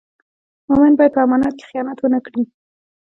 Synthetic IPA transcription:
momanbɑjad̪̚pəamɑnɑt̪̚ke̥xijɑnat̪wənakɽi

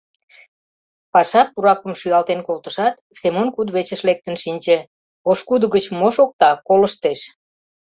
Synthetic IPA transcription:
pɑʃɑpːuɾɑkəmʃyɑlt̪enkolt̪əʃɑt̪semonkud̪βet͡ɕəʃlek̚t̪ənʃinʲt͡ɕe | oʃkud̪əɣət͡ɕmoʃok̚t̪ɑkoləʃt̪eʃ

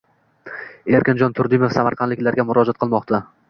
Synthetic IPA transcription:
e̞ɾkʲɪnd͡ʒɒnt̪ʰʊɾd̪ɪmefsamaɾqʰɑnd̪lɪkʲlaɾɡʲamʊɾɒd͡ʒat̪̚qʰɨlˠmɒqt̪ʰa

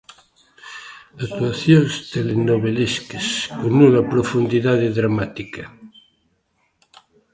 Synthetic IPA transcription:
ak̚t̪uaθjonst̪elenoβeleskeskonːunapɾofund̪iðaðeðɾamat̪ika

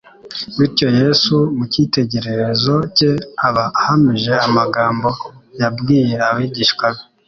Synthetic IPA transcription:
wiɾco̞je̞sumucite̞ɟe̞ɾe̞ɾe̞zo̞ce̞aβahamiʒe̞amaɡaːmbo̞jabɡiːje̞aβiːɟiːʃkalo

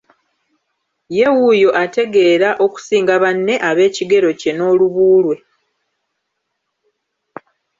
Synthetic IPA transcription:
je̞wujo̞ʔate̞ɡe̞ːɾaʔo̞ku̥siːŋɡaβanːe̞ʔaβe̞ːciɡe̞ɾo̞ce̞no̞ːluβuːlwe̞

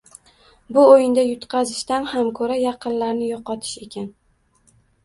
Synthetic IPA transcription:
bʊojɪnd̪ajʊt̪qʰɑzɪʃt̪anhamkʰɵɾajɑqʰɨnlaɾnɪjɒqɒt̪ʰɪ̥ʃe̞kʲan

